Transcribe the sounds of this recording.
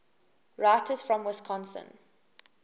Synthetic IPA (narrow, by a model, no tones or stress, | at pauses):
ɹaɪtʰəz̥fɹɔ̃mwɪskʰɔ̃nsə̰̃n